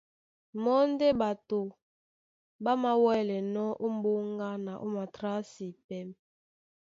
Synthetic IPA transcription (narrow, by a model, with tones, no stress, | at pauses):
mɔ˦n˦de˦ba˨to˨ | ba˦ma˦wɛ˦lɛ˨nɔ˦ʔo˦m˦bo˦ŋ˦ɡa˦na˨ʔo˦ma˨tɾa˦si˨pɛ˦m